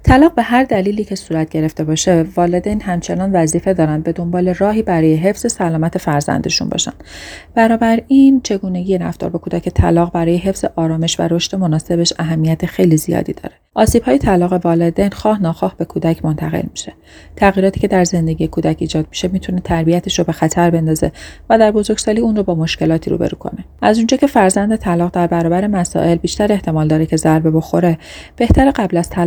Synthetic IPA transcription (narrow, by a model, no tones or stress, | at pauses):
t̪ʰælɒːɣbe̞ɦæɾd̪æliːliːcʰe̞suːɾæt̪̚ɟ̥e̞ɾe̞ft̪e̞bɒːʃe̞vɒːled̪ejnhæmt͡ʃʰe̞nɒːnvæziːfe̞d̪ɒːɾænd̪̚be̞d̪o̞mbɒːle̞rɒːɦiːbæɾɒːjeɦe̞fz̥e̞sælɒːmæt̪ʰe̞fæɾzæ̰nd̪eʃṵnbɒ̰ːʃæ̰nd̪b̥ænɒːbæɾint͡ʃʰe̞ɡuːne̞ɟijeɾæ̰ft̪ɒ̰ːɾbekʰuːd̪æcʰe̞t̪ʰæ̰lɒːɣbæɾɒːje̞ɦe̞fz̥e̞ʔɒːɾɒːme̞ʃvæ̰ɾoʃt̪e̞mo̞nɒːse̞be̞ʃæɦæmːijæt̪ʰexe̞jlizijɒ̰ːd̪ḭːd̪ɒ̰ːɾe̞ʔɒːsiːb̥hɒːjet̪ʰælɒːɣe̞vɒːled̪ejnxɒːhnɒːxɒːhb̥e̞kʰuːd̪æcʰmont̪ʰæɣḛlmiʃe̞̥ | t̪ʰæɣjiːɾɒːt̪ʰiːcʰe̞d̪æɾze̞nd̪e̞ɟijekʰuːd̪æciːd͡ʒɒːd̪̚mi̥ʃe̞miːt̪ʰune̞t̪ʰæɾbiæt̪ʰeʃɾobe̞xæt̪ʰæɾbe̞nd̪ɒːze̞̰væd̪æɾbo̞zo̞ɾɡ̥ʲsɒːliːunrobɒːmo̞ʃce̞lɒːt̪ʰiɾṵːbḛɾṵːkʰo̞̰ne̞ʔæzund͡ʒɒːcʰe̞fæɾzænd̪e̞t̪ʰælɒːɣd̪æɾbæɾɒːbæɾemæsɒ̰ʔe̞lbiːʃt̪æɾe̞ht̪ʰe̞mɒːld̪ɒːɾecʰe̞zæɾbe̞bo̞xo̞ɾe̞b̥e̞ht̪ʰæɾeɢæblæz̥t̪ʰæ